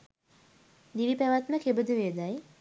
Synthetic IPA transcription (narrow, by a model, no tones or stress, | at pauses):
d̪iʋipæʋat̪məkʰebəd̪uʋed̪aj